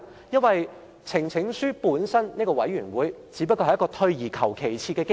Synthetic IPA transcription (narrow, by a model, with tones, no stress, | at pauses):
jɐ˥nwɐ˨j | t͡sʰɪ˨˩ŋt͡sʰɪ˨˥ŋsyː˥puː˨˥nsɐ˥nniː˥kɔː˧wɐ˨˥jɥyː˨˩nwuː˨˥jt͡siː˨˥pɐ˥kːɔ˧ɐ˨jɐ˥kɔː˧t̪ʰɵ˧ɥjiː˨˩kʰɐ˨˩wkʰe˨˩jt͡sʰiː˧kɛː˧kɪ˥